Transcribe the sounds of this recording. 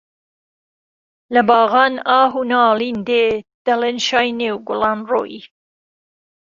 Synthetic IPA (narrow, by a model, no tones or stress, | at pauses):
lɐbɑːɣɑːnɑːɦunɑːlind̪ed̪̥ɐlenʃɑːjnewɡʊlɑnro̰ːji